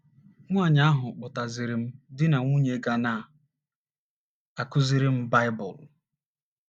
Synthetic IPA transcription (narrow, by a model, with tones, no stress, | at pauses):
ŋʷa˦˨ɲa˦ɦʊ˨k͡pʊ˨ta˨zɪ˨ɾɪ˨m̩˦dɪ˦na˨ŋʷu˦ɲe˦ɡa˨na˦˨ | a˨kʊ˦zi˦ɾɪ˦m̩˦ba˦ɪ˦bʊ̰˨l